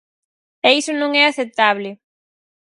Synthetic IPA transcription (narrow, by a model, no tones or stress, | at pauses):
ɛisʊnõŋɛaθep̚t̪aβlɪ